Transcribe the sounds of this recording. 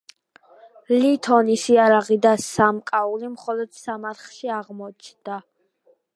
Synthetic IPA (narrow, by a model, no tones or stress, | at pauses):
lit̪ʰɔnisiaɾaʁid̪asamkʼaulimχɔlɔd̪̥samaɾχʃiaʁmɔt͡ʃʰnd̪̥a